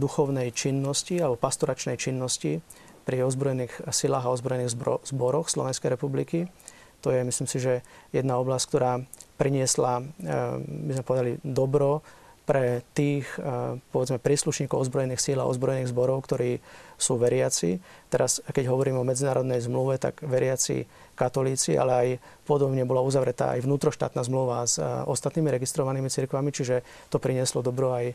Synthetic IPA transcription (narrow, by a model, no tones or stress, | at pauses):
d̪uxɔʊnɛjt͡ʃinːɔscialɛbɔpast̪ɔɾat͡ʃnɛjt͡ʃinːɔsci | pɾiɔzbɾɔjɛniːxsilaːɣaɔzbɾɔjɛniːɣzbɔɾɔxslɔʋɛnskɛjɾɛpubliki | t̪ɔjɛmisliːmsiʒɛjɛd̪naɔblasck̚t̪ɔɾaːpɾiɲɪɛsla | bizmɛpɔʋɛd̪alid̪ɔbɾɔpɾɛt̪iːxpɔʋɛd͡zmɛpɾiːsluʃɲiːkɔʊɔzbɾɔjɛniːxsila̰ɔ̰zbɾɔjɛniːɣzbɔɾɔʊkt̪ɔɾiːsuːʋɛɾɪat͡sḭt̪ɛɾaskɛɟɦɔʋɔɾiːmɛɔmɛd͡zinaːɾɔd̪nɛjzmluʋɛt̪a̰ɡʋɛɾɪat͡sḭ | kat̪ɔliːt͡sḭʔa̰lɛaj | pɔd̪ɔbɲɛbɔlauzaʋɾɛt̪a̰ːa̰jʋnuːt̪ɾɔʃt̪a̰ːt̪naːzmluʋazɔst̪at̪niːmiɾɛɡist̪ɾɔʋaniːmit͡siɾkʋamit͡ʃiʒɛ | t̪ɔpɾiɲɪɛslɔd̪ɔbɾɔaj